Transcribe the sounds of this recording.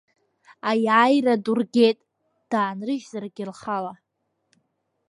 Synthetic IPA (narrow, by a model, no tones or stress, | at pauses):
ajajradurɡʲetʼ | d̥aːnrɨʒzarɡʲɪlχala